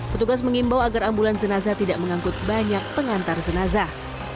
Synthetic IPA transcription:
pət̪uɡas̬məŋimbawaɡarambuland͡ʒənazat̪idaʔməŋaŋkʊt̪̚baɲak̚pəŋant̪ard͡ʒənaza

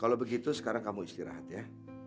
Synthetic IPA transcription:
kalowbəɡit̪usə̥kaɾaŋkamuist̪iɾa̰ɦat̪ja

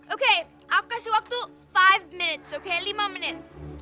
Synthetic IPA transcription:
oːkʰe | aːp̚kasiʋɐk̚t̪u | faɪʋmɪnɪʈsoːkʰeːlimãmne

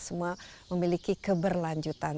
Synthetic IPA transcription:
səmuaməmilikikəbərlaɲd͡ʒut̪an

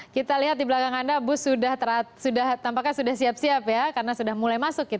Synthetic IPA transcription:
kit̪aliɦat̪̚dibəlakaŋandabʊsudaht̪əɾat̪̚sudaht̪ampakːasudahsiap̚siapjakarənasudahmulajmasʊkːit̪

